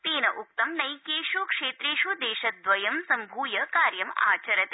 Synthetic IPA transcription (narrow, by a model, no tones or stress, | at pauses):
t̪eːnɐʔuk̚t̪ɐmnɐjkeːʃukʂeːt̪ɾeːʃud̪eːʃɐt̪̚d̪ʋɐjɐmsɐmbʱuːjɐkaːɾjɐma̰ːt͡ʃɐɾɐt̪